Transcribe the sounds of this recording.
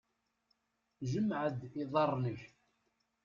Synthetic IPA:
ʒəmʕəd̪ɪðˤɑrˤnəç

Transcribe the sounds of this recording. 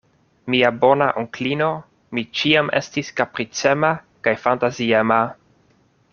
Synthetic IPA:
miabo̞naʔoŋklino̞ | mit͡ʃiamʔe̞̰stiskapɾit͡sema | kajfantaziema

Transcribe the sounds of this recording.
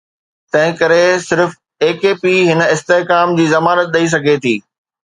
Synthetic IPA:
t̪ɐ̃ɦɪ̃kɐɾesɪɾf | eːkeːpiɦɪnɪst̪eɦkaːmd͡ʑiːzɐmaːɾət̪̚ɗɐis̬ɐɡʱet̪ʰiː

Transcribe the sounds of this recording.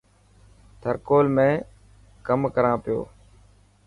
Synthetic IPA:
t̪ʰəɾkoːlmẽː | kəmkəɾãːpɪjo̰ː

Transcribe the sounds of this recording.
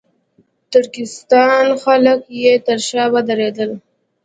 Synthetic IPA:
t̪ʊɽkɪst̪ɑnxaləkjet̪əɾʃɑbad̪aɾed̪əl

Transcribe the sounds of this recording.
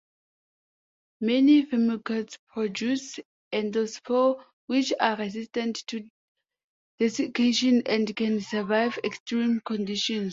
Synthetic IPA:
mɛnifɛmikəspʰɹɔd͡ʒus | ʔɛ̃nd̪osfɔ | wit͡ʃaɹɛzistə̃nttːu | d̥ɛsikʰeʃɔ̃nɛ̃ndkɛ̃nsəvaɪvɛkstɹĩmkɔ̃ndiʃɔ̃ns

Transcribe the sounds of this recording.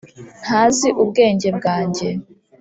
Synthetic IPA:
n̥haːziʔubɡe̞ːɲɟe̞b̚ɡaːɲɟe̞

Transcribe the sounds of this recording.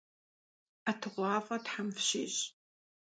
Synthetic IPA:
atʰɨʁʷɑːfʼɐtħamfɕɪːɕ

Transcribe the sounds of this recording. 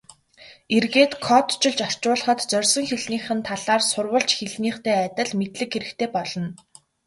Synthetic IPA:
erɣeːt̪kʰɔt̪t͡ɕɪ̆ɮt͡ɕɔr̥t͡ɕʊːɮə̆χə̆t̪t͡sœrʲsɞ̆ŋxeɮniːχɘ̆nt̪ʰaɮaːrsʊrwə̆ɮt͡ɕxeɮniːχt̪eːæt̪ə̆ɮmet̪ɮɘ̆kxeɾɘ̆kt̪ʰeːpɔɮɞ̆n

